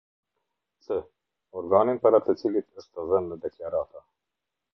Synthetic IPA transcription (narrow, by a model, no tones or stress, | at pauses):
sə | ɔɾɡɑːninpaɾat̪ʰət͡silit̪əst̪əzənd̪əd̪ɛklɑɾɑːt̪a